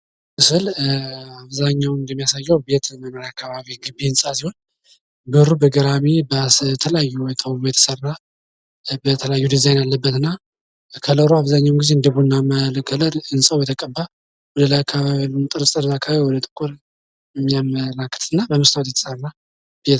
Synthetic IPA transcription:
mɨsɨl | aβzaɲːawnɨnd̪əmːijasajːəwbe̞t̪məməɾakʰːaβaβiɡɨbːiɨnsʼasiho̞n | bɨɾubəɡəɾamibt̪ʰələjajːuɛt̪ʰəwmujɛt̪ʰə̥sərːa | bət̪ʰələjajːud̪izajnjalːəbːət̪ɨnːa | kʰələɾoaβzaɲːawnɡizeɨnd̪əβuɨnːaməlkʰələɾɨnsʼawjɛt̪ʰəkʼəbːa | wɔd̪əlajakʰːaβaβilmt̪ʼɨɾɨsʼt̪ʼɨɾzakʰːaβaβiwɔd̪ət̪ʼɨ̥kʼuɾ | jɛmːijaməlakːɨ̥t̪ʰʼɨnːabəməst̪awt̪jɛt̪ʰə̥səɾɨnːa | b̥jɛt̪

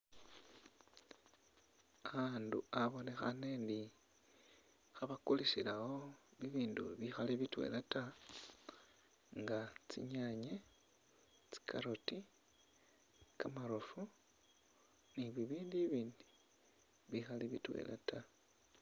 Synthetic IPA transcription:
aandṵaβo̞ne̞xa̰nendi | xaβakulisilawo̞βiβiːndṵβixaliβitwe̞̰lata | ŋɡat͡sḭɲaɲe | t͡si̥kʰaɾoti | kamaɾofu | niβiβiːndiβiːndi̥ | βixaliβḭtwḛlʔa̰ta

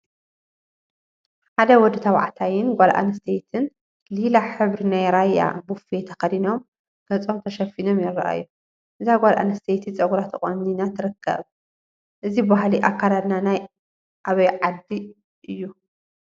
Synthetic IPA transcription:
ħad̪ɐwɔd̪ɨt̪ʰɐβa̰ʕt̪ʰajɪnɡʷalʔa̰nɨst̪ʰet̪ʰɨn | lilaħɨβɾinajɾajːa̰bufet̪ʰɐxɐd̪ino̞m | ɡ̥ɐt͡sʼo̞mt̪ʰɐʃɐfino̞mjɛɾːɐ̰ʔa̰jːu | ʔɨzaɡʷalʔa̰nɨst̪ʰejt̪ʰit͡sʼɐɡuɾat̪ʰɨχʼo̰mninat̪ʰɨɾɨkʰːɐ̰β | ʔɨzibɨβaɦliʔakʰːalad̪nanaj | ʔaβɐjʕad̪ːi | ʔɨjːu

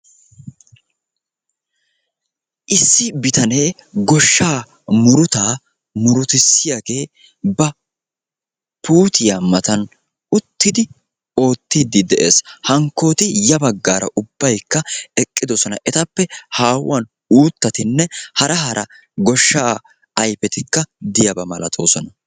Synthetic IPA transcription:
ʔɪsːɪbɪt̪ɐne̞ːɡɔʃːaː | mʊɾʊt̪aː | mʊɾʊt̪ɪsːɪjaɡe̞ː | bɐ | puːt̪ʰɪjamɐt̪ɐn | ʊt̪ːɪd̪ɪ | o̞ːt̪ːɪd̪ɪd̪ɛʔe̞ːshɐŋkːo̞ːt̪ɪjɐbɐɡːaːɾɐ̰ʔʊbːɐjkːɐɛkʼːɪd̪ɔsɔnɐ̰ʔɛt̪ɐpːɛhaːwːɐn | uːt̪ːɐt̪ɪnːɛhɐɾɐɦɐɾʔɐ | ɡɔʃːaː | ɐjpɛt̪ɪkːɐd̪ɪjɐbɐmɐlɐt̪ʼo̞ːsɔnɐ

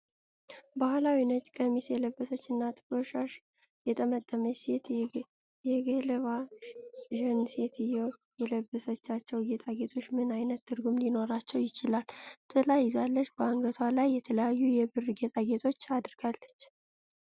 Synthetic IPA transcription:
bahlawinət͡ʃʼkʼəmisjɛləbːəsət͡ʃːɨnːat̪ʼɨ̥kʼoʃaʃ | jɛt̪ʼəmət̪ʼːəməset̪ | jɛɡelβa | ʒɨnse̞t̪ʰɨjɛwjɛləbːəsət͡ʃːat͡ʃːɛwɡet̪ʼaɡet̪ʰʼo̞t͡ʃːmɨnajnət̪ːɨɾɡumlino̞ɾat͡ʃːɛwjɪt͡ʃɪlalt̪ʼɨlajzalːəʃbəaŋɡət̪ʰwalajːɛt̪ʰələjajːujɛbɨrɡet̪ʼaɡe̞t̪ʰʼo̞t͡ʃːad̪ɾɡalːət͡ʃː

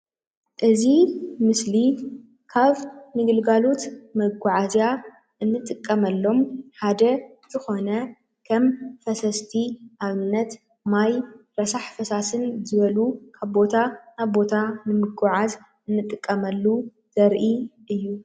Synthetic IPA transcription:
ʔɨzimɨsli | kʰaβnɨɡɨlɡalo̞t̪mɐɡʷʊʕazja | ʔɨnːɨt̪ʼɨkʼːɐmɐlːo̞mħad̪ɐ | z̥ɨxo̞nɐ | kʰɐmfɐsɐst̪ʰiʔaβɨnːɐt̪ | majɾɐsaħfɐsasɨnzɨβɐlukʰaβbo̞t̪ʰanaβbo̞t̪ʰanɨmɨɡʊʕaz | ɨnːɨt̪ʼɨkʼːɐmɐlːu | z̥ɐɾʔiʔɨjːu

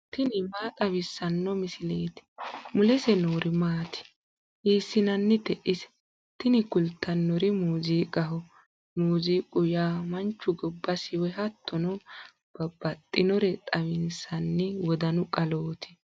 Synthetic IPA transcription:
t̪ɪnɪmaːt̪ʼɐwɪsːɐnːɔmɪsɪleːt̪ɪ̥mʊlɛsɛnoːɾɪmaːt̪ʰɪ̥ | ʔiːsːɪnɐnːɪt̪ɛʔɪsɛ̥ | t̪ɪnɪkʊlt̪ʰːɐnːɔɾɪmuːziːkʼɐɦɔ | muːziːkʼʊjaːmɐnt͡ʃːʊɡɔbːɐsɪwɛɦɐt̪ːɔnɔ | b̥ɐbɐt̪ʼːɪnɔɾɛt̪ʼɐwɪnsɐnːɪwɔd̪ɐnʊkʼɐloːt̪ʰɪ̥

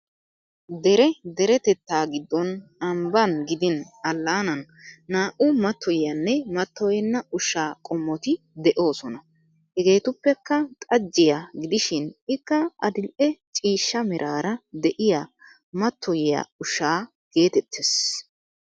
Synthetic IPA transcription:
d̪ɛɾɛd̪ɛɾɛt̪ɛt̪ːaːɡɪd̪ːɔnɐmbɐnɡɪd̪ɪn | ɐlːaːnɐnː | aːʔʊmɐt̪ːɔjjɐnːɛmɐt̪ːɔjɛnːɐʊʃaːkʼɔmːɔt̪ɪ | d̪ɛʔo̞ːsɔnɐ | hɛɡe̞ːt̪ʊpːɛkːɐt̪ʼɐd͡ʒːɪjaɡɪd̪ɪʃɪnɪkːɐɐ̰d̪ɪlʔɛt͡ʃʼiːʃːɐmɪɾʔaːɾɐd̪ɛʔɪja | mɐt̪ʰːɔjɪja̰ʊʃaː | ɡ̥e̞ːt̪ɛt̪ʰːes

